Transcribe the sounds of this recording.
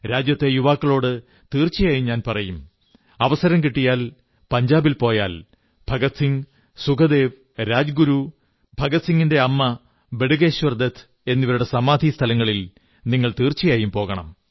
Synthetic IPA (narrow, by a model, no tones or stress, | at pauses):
ɾaːd͡ʑjɐt̪ːe̞juʋaːkːɐɭo̞ːɽɨ | t̪iːrt͡ɕːijaːjumɲaːnpɐrɐjum | ɐʋɐsɐɾɐmkiʈːijaːl | pɐɲd͡ʑaːbilpo̞ːjaːl | bʱɐɡɐt̪siŋ | suɡɐd̪e̞ːʋ | ɾaːd͡ʑɐɡuɾu | bʱɐɡɐt̪siŋɡinde̞ɐmːɐ | beɽuɣe̞ːɕʋɐrd̪ɐt̪ʰ | e̞nːiʋɐɾuɽe̞sɐmaːd̪ʱist̪ʰɐlɐŋːɐɭil | niŋːɐɭt̪iːrt͡ɕːijaːjumpo̞ːɣɐɳɐ̰m